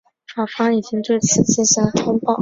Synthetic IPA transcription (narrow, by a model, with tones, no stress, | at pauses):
fa˨˩fa˥i˨˩t͡ɕi˥ŋt̪we˥˩ɪt͡sʰɹ̩˥˩t͡ɕi˥˩ɕa˥nxɑ˥ŋpɑ˥˩ʊ